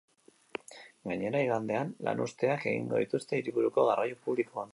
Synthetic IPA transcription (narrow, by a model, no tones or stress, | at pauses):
ɡaɲe̞ɾaiɣand̪e̞anla̰nʔust̪e̞ake̞̰ɣḭŋɡo̞ðit̪ust̪e̞iɾiβuɾuko̞ɣarajupuβlikoan